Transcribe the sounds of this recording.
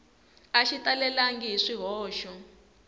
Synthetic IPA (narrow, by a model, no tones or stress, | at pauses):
aʃitalɛlaŋɡiɦiʂiɦɔːʃɔ